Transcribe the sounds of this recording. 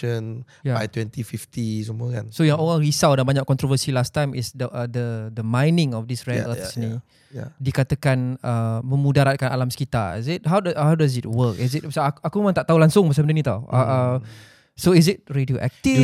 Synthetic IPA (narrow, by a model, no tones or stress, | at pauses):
ən | jaajt̪wɛ̃nt̪ifift̪isəmũəka̰nsojaŋoɣaŋɾisawdanbaɲakɔnt̪ɾovəsilast̪ajmɪ̰sdəʔdəd̪əmãjnɪ̃ŋɔfdisɹɛtəsni | jadikat̪əkanəmə̃mudaɾat̪̚kana̰lamsəkit̪aḭsɪt̚ɦawdahawdaz̬ɪt̚wəkɪsɪt̚basaakumemaŋt̪aʔt̪aulaŋsʊŋbas̬aməndənĩt̪awʔə̰ʔə | soiz̬ɪt̚ɹedioʔɛ̰k̚t̪i